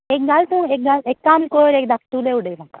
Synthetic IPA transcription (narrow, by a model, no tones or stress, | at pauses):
ek̚ɡalt̪ũek̚ɡalek̚kaːmlkojoɾek̚d̪akʈuleuɖela